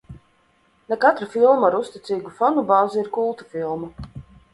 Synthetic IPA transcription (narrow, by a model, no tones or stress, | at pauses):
nakat̪ɾafilˠmaɾust̪it̪sʲiːɡufɔnubaːziɾkulˠt̪u̥filˠmu